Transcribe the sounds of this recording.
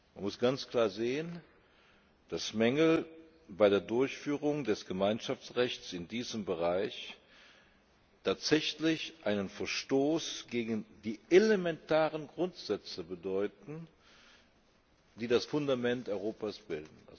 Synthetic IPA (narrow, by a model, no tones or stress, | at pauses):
manmʊsɡ̥ant͡skl̥aːɐzeːən | d̥asmɛŋəl̩ | baɪɾeːɐdʊɐçfyːʁʊŋdɛsɡ̥əmaɪnʃaft͡sʁɛçt͡sɪndiːzəmbəʁaɪç | tʰaːtz̥ɛçlɪçʔaɪnənfɛɐʃtoːsɡ̥eːɡn̩diːʔelemɛntaːʁənɡʁʊntz̥ɛt͡səbədɔʏtn̩ | d̥iːdasfʊndamɛntʔɔʏʁoːpasb̥ɪldn̩a̰